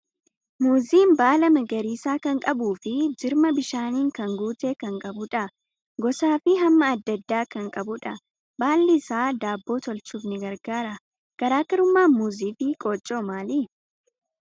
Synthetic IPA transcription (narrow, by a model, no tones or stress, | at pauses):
muːziːmbaːlɐmɐɡɐɾiːsaːkɐŋkʼɐbuːfɪd͡ʒɪɾmɐbɪʃaːniːŋkɐŋɡuːt̪eːkɐŋkʼɐbʊᶑɐ | ɡɔsaːfɪɦɐmːɐːd̪ːɐd̪ːaːkɐŋkʼɐbʊᶑɐ | baːlːɪsaːd̪aːbːo̞ːt̪ɔlt͡ʃuːfnɪɡɐɾɡaːɾɐ | kɐɾaːkɐɾʊmːaːnmuːziːfɪkʼoːt͡ʃʼːoːmaːliː